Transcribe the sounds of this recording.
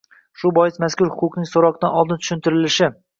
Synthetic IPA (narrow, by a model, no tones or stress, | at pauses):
ʃʊbɒjɪsmaskʊɾhʊqʊqnɪŋsoɾɒqd̪anɒlˠd̪ɪnt̪ʰʊ̥ʃɪnt̪ɪɾɪlɪʃɪ